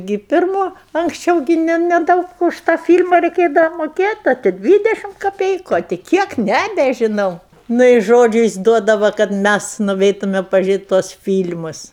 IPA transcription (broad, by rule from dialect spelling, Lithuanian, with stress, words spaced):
ɡʲɪ pʲɪrˈmoː ɐŋksʲˈt͡ʃʲɛʊ ɡʲɪ ˈnʲɛ nʲɛˈdɐʊk ʊʃ tɑː fʲiːlʲmɐ rʲɛɪˈkʲeːdɐʋɐ moːˈkʲeːtʲ ˈɐ tʲɪ ˈdʲʋʲiːdʲɛʃʲɪm kɐˈpʲɛɪkʊ ɐ tʲɪ ˈkʲiɛk ˈnʲæːbʲɛʒʲɪnɐʊ ˈnʊ ɪ ˈʒoːd͡ʒʲʊ jɪs ˈduɔdɐʋɐ kɐt ˈmʲæs nʊˈʋʲɛɪtʊmʲɛ pɐʒʲʊˈrʲeːtʲ tuɔs ˈfʲiːlʲmʊs